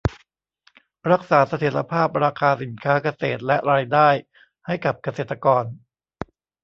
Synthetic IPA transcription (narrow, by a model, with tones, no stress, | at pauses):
ɾa˦˥k̚saː˩˦sa˧t̪ʰi˩˦ɾa̰˧pʰaː˥˩p̚ɾaː˧kʰaː˧si˨˩˦nkʰaː˦˥ka˧seː˨˩t̪̚lɛ˦˥ʔɾaː˧jdaː˥˩j | ha˥˩jka˨˩p̚ka˧seː˨˩t̪ːa˧kɔː˧n